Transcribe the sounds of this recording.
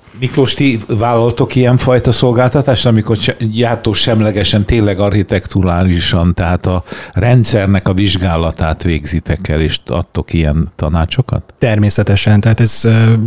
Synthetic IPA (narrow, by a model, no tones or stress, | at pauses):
mikloʃt̪ivaːlːɒlt̪o̞kijɛɱfɒjt̪ɒso̞lɡaːlt̪ɒt̪aːʃt̪ɒmiko̞rɛjaːrt̪oːʃɛmlɛɡɛʃɛnt̪eːnlɛɡɒrhit̪ɛkt̪uɾaːliʃɒnt̪ɛɦaːt̪ɒrɛnt̪sɛrnɛkɒviʒɡaːlɒt̪aːt̪ʋeːɡzit̪ɛkɛleːʃɒ̰t̪ːo̞kijɛnt̪ɒ̰naːt͡ʃo̞kɒ̰t̪ːɛrmeːsɛt̪ɛʃɛnt̪ɛɦaːt̪ɛz